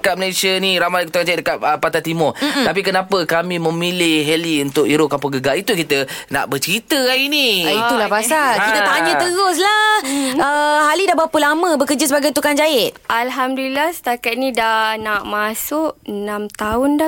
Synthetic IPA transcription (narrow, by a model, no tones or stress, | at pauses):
kat̪̚məlajsjaniɾamajt̪ukand͡ʒaɪt̪̚dəkat̪̚əpat̪at̪imɔtt̪ap̬ikənãpəkamĩmə̃milɪhɦɛliunt̪ʊk̚iɾʊʔkampɔɡəɡait̪ukit̪əna̰ʔbət͡ʃəɾit̪əkainiit̪ulabasakit̪ət̪aɲə̃t̪əɣʊs̬laəɦalidabawapəlaməbəkəd͡ʒəs̬əbaɡajt̪ukand͡ʒaɪt̪̚ʔalɦamdulilasə̥t̪akat̪̚nĩdanaʔmasʊʔənãmt̪aʊnda